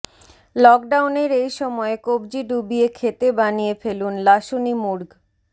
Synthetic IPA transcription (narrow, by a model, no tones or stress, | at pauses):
lɔk̚ɖawneɾejʃɔmɔekob̚d͡ʑiɖubiekʰet̪ebanijefelunlaʃunimuɾɡ